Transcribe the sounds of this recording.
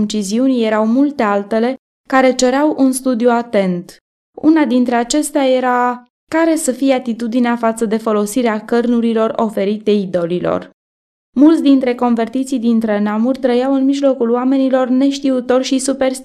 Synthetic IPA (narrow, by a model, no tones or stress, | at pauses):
nt͡ʃiziunje̞ɾawmult̪e̞alt̪e̞le̞ | kaɾe̞t͡ʃe̞ɾeawʔunst̪ud̪ijuat̪e̞nt̪ | ṵnad̪int̪ɾe̞at͡ʃe̞st̪eaje̞ɾa | kaɾe̞səfijeat̪it̪ud̪ineafat̪səd̪e̞fo̞lo̞siɾeakərnuɾilo̞ro̞fe̞ɾit̪e̞id̪o̞lilo̰r | mult̪sd̪int̪ɾe̞ko̞nve̞rt̪it̪sijd̪int̪ɾenamurʲt̪ɾəjawɨnmiʒlo̞kuloame̞nilo̞rne̞ʃt̪iut̪o̞rʃisupe̞rst̪